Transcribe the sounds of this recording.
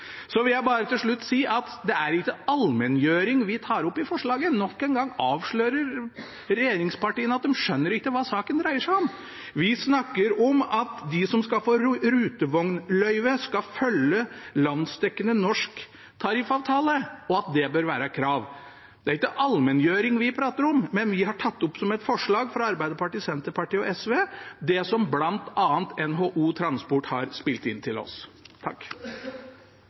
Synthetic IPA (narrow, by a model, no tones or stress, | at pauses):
sɔʋɪljæɪbɑːɾət̪ɪlʂɭʉt̪ːsiːʔɑt̪d̪ɛæɾɪkːəɑlmɛnjøːɾɪŋʋɪt̪ʰɑːɾɔpːɪfɔʂɭɑːɡənɔkːɛnɡɑŋːɑːʋʂɭœːɾəɾ | ɾɛjeːɾɪŋspɑʈiːənəɑt̪̚d̪ɛmʂœnːəɾɪkːəʋɑːsɑːkənd̪ɾæɪəʂæɪɔm | ʋɪsnɑkːəɾɔmɑt̪d̪ɪsɔmskɑlfoːɾɾʉːt̪əʋɔŋnlœʏʋəskɑfœlːəlɑnst̪ɛkːənənɔʂk | t̪ʰɑɾifɑːʋt̪ʰɑːləɔɑt̪̚d̪ɛbøːɾʋæːɾəkʰɾɑːʋ | d̪ɛæɾɪkːəʔɑlmɛnjøːɾɪŋʋɪpʰɾɑːt̪əɾɔmːɛnʋɪhɑʈʰɑt̪ːɔpːsɔmɛt̪fɔʂɭɑːɡfɾɑɑɾbæɪd̪əpɑʈiːsɛnt̪əɾpɑʈiːɔɛsʋeːd̪ɛsɔmblɑnt̪ɑːənt̪ɛnɦoːʔuːt̪ʰɾɑnspɔʈhɑ̰ɾspɪlt̪ɪnt̪ʰɪlɔ̰st̪ʰɑ̰kː